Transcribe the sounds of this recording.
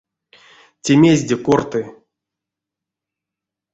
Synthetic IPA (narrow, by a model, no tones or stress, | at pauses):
tʲemʲezʲdʲekort̪ɨ